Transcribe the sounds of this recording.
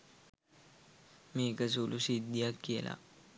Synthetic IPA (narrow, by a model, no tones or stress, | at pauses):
meɡas̬ulusid̪ijakːela̰